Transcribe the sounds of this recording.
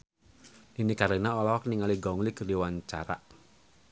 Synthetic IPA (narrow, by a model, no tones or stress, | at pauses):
ninikaɾenaɔlɔɔkniŋaliɡɔuŋliɡəriwaɲt͡ʃa̰ɾa̰ʔ